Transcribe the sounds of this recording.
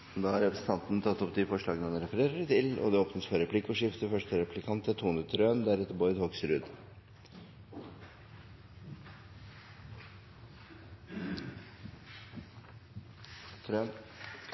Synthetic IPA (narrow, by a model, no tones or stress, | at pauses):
d̪ɑːhɑɾɛpɾəsn̩t̪ʰɑnt̪n̩t̪ʰɑt̪ːɔpd̪ɪfɔʂɭɑːɡənəɑnɛɾɛfəɾeːɾəɾɪt̪ʰɪlɔ̰d̪ɛoːpnəsfɔɾɛpʰlɪkːɔʂɪft̪əfœʂʈəɾɛpʰlɪkʰɑnt̪ːət̪ʰuːnət̪ʰɾøːnd̪æɾɛt̪ːəɾbɔʏd̪hoːɡsɾʉd̪ | ɾøn